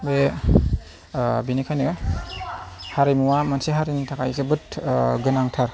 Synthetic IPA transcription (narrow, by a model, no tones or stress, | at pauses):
be | binikʰajnɯ | haɾimuwamansiɦaɾinitʰakajzɯbɯt̚ɡɯnaŋtʰaɾ